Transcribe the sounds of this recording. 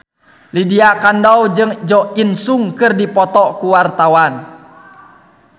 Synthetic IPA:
lidiakandɔwd͡ʒɨŋd͡ʒɔinsuŋkɨrdipɔt̪ɔkuwart̪awan

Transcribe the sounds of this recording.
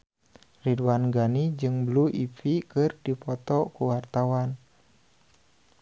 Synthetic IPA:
ridwanɡanid͡ʒɨŋbluʔifikɨrdipɔt̪ɔkuwart̪awan

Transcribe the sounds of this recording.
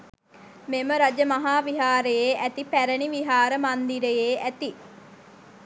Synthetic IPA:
meməɾad͡ʒəmɐɦaːʋiɦaːɾəjeːʔæt̪ipæɾəniʋiɦaːɾəmand̪iɾəjeːʔæt̪i

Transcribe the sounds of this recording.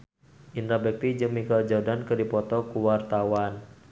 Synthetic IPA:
ʔint̪ɾabɛk̚t̪id͡ʒɨŋmikald͡ʒɔrdankɨrdipɔt̪ɔkuwart̪awan

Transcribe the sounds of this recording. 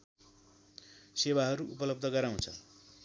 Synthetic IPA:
sewaɦʌɾuʔupʌlʌb̚d̪ʱʌɡʌɾaw̃t͡sʰʌ̰

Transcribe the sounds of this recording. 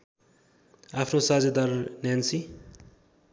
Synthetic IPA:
apʰnosad͡zʌd̪ʌrnjansi

